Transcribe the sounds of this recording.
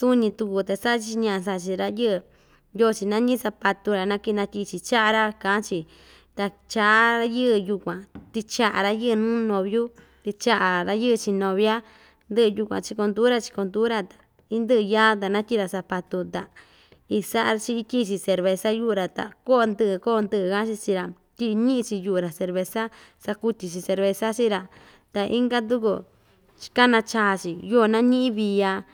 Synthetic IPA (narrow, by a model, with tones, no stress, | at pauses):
su˦nĩ˧t̪u˧ku˧t̪a˨sa˦ʔt͡ʃi˧ɲã˧ʔs̬a˧ʔt͡ʃi˧ɾa˧jɨ˦˧ | jo˦˧t͡ʃi˧nã˦ɲĩ˦sa˧pa˧t̪u˧ɾa˨nã˧˦ki˧nã˧ki˧t͡ʃi˧t͡ʃa˦ʔa˧ɾa˦kã˨˦t͡ʃi˧ | t̪a˧ | t͡ʃa˧ʔa˦ɾa˧jɨ˦˧ju˧kʷã˨t̪i˧t͡ʃa˧ʔa˨ɾa˧jɨ˦ʔnũː˦nõ˧βju˦ | t̪i˧t͡ʃa˦ʔa˨ɾa˧jɨ˦˧t͡ʃi˧nõ˨βja˦ | nd̪ɨ˦ʔju˧kʷã̰˨t͡ʃi˧ko˧nd̪u˦ɾa˦˧t͡ʃi̥˧ko˧nd̪u˦ɾa˧t̪ḁ˨ | i˦nd̪ɨ˦ʔɨ˧jaː˦t̪̬a˨nã˦t̪ʲi˦ɾa˧sa˧pa˧t̪u˧t̪a˨ | i˧sa˦ʔa˧t͡ʃi˧i˧ki˦t͡ʃi˧se˧ɾβe˧sa˦ju˦ʔɾa˨t̪a̰˨ko˦˧nd̪ɨ˦ʔɨ˧ko˦˧nd̪ɨ˧ʔɨ˧˨ka˦t͡ʃi˧t͡ʃi˧ɾa˨ | t̪ʲi˦˧ɲĩ˦ʔĩ˧t͡ʃi˧ju˧˨ɾa˨se˧ɾβe˧sa˦ | sa˧ku˧t̪i˧t͡ʃi˧se˧ɾβe˧sa˦t͡ʃi˦ɾa˧ | t̪a˨ʔi˦ŋɡa˦d̪̬u˦ku˧ | t͡ʃi̥˧ka˦nã˧t͡ʃa˧t͡ʃi˨ju˦ʔnã˦ɲĩ˦ĩ˦βi˧a˧